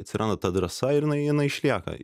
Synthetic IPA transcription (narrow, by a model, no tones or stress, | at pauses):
ɐt̪ʲsʲɪɾʔɐnd̪ɐt̪ɐd̪ɾɐsɐɪɾɪnɐɪjɪnɐɪɪʃʲlʲiːkɐ̰